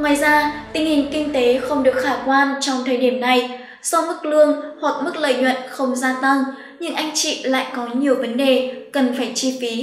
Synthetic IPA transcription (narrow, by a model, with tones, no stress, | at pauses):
ŋwaː˨jzaː˧t̪ï˧˩ŋ̟hï˨˩ŋ̟kï˧ŋ̟t̪e˨˦xə˧wŋ͡mɗɨ˨˩ək̚xaː˧˩kwaː˧nt͡ɕɔ˧wŋ͡mt̪ʰəː˨˩jɗi˧˩əmna˨˩j | sɔ˧mɨ˦˥k̚lɨ˧əŋhwa˨˩k̚mɨ˦˥k̚lə̰ː˧˨jɲwə̰˧˨nxə˧wŋ͡mzaː˧t̪a˧ŋ | ɲɨ̰˧ŋʔa˧jŋ̟t͡ɕḭ˧˨la̰ː˧˨jkɔ˨˦ɲi˨˩əwvə˨˦nɗe˨˩kə˨˩nfaː˧˩jt͡ɕi˧fi˨˦